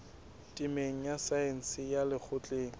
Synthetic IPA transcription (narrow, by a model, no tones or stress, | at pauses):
tʼɪmeŋ̩jasaɛn̩sɪjalɪk͡xʰʊt͡ɬʼeːŋ̩